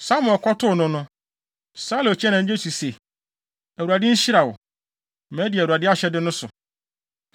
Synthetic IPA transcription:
sa˦mʊ̃˨ɛ˨kʰɔ˦tʰʊ˦˨nʊ̃˦nʊ̃˦ | saː˦lo˨t͡ɕʰɛ˦nã˨ɲ̩˦d͡ʑᶣe˦su˨se˨ | æ˨wu˨a˨dɪ˦ɲ̩˦ɕi˦ɾa˨wɔ̰˨ | mɛ̃˦di˨ɛ˨u˨a˨dɪ˦a˦ɕɛ˦dɪ˦nʊ̃˦sʊ̰˨

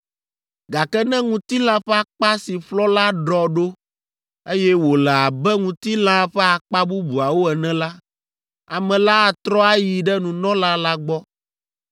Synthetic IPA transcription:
ɡa˨kɛ˦nɛ̃˦ŋũ˨t̪i˦lã˦ɸɛ˦a˦k͡pa˦si˨ɸlɔ˦la˦ɖɔ˨ɖo˦ | e˦jɛ˦wo˨lɛ˨a˨bɛ˦ŋũ˨t̪i˦l̃ã˦ɸɛ˦a˨k͡pa˦bu˦bu˨a˨wo˦ɛ˨nɛ̃˦la˦ | a˨mɛ̃˨la˦a˨t̪ɾɔ˦a˦ji˨ɖɛ˦nũ˨nɔ̃˦la˦la˦ɡ͡bɔ˦

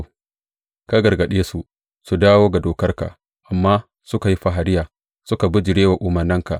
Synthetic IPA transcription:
ka˦ɡɐ˨rɡɐ˨ɗeː˦su˨ | su˨daː˦woː˦ɡa˨doː˨kɐ˦rka̰˨ʔ | ʔa˨mːaː˦ | sʊ˦ka˨ji˦ɸa˨ɦa˨ɾɪ˦jaː˨ | sʊ˦ka˨bʊ˦d͡ʒɪ˨ɽeː˦wa˨ʔʊ˨mɐ˨rnɐ˦ŋka̰˨ʔ

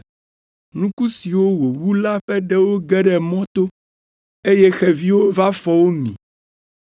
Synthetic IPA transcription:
nũ˦ku˦si˨wo˦wo˨wu˦la˦ɸɛ˦ɖɛ˦wo˦ɡɛ˦ɖɛ˨mɔ̃˦t̪o˦ | e˦jɛ˦xɛ˨vi˦wo˦va˦fɔ˦wo˦mḭ̃˨

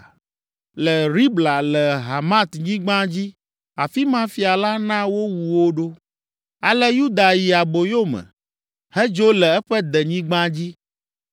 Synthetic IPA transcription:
lɛ˨ɾi˦bla˨lɛ˨ɦa˨mã˦t̪ɲĩ˦ɡ͡bã˦d͡ʑi˦ | a˨fi˦mã˦fi˨a˨la˦nã˦wo˦wu˨wo˦ɖo˦ | a˨lɛ˦ju˦d̪a˨ji˨a˨bo˨jo˦mɛ̰̃˨ | hɛ˦d͡ʒo˦lɛ˨ɛ˦ɸɛ˦d̪ɛ˨ɲĩ˦ɡ͡bã˦d͡ʑi˦

